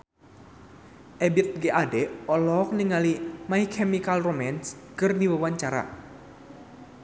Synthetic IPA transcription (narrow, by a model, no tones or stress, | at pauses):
ʔɛbit̪̚ɡeʔadɛɔlɔk̚niŋalimaihkʰɛmikalromɛnskɨrdiwəwaɲt͡ʃaɾa̰